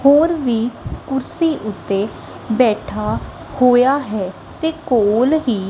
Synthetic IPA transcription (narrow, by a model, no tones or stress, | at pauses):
hoːɾʋiːkʊɾsiːʔʊt̪ːeː | bɛːʈʰaː | hoːjaːɦɛː | t̪eːkoːlɦiː